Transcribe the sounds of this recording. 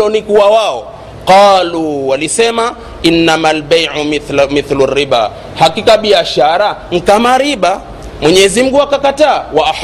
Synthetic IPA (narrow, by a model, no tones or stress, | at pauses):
ɔnikuawaɔ̰ | qɑːluwalisɛma | inːamalbajʕmiθlurːiɓa̰ː | hakikaɓiaʃaɾaŋ̩kamaɾiɓa | mwɛɲɛzim̩ɡuakakataːwaʔa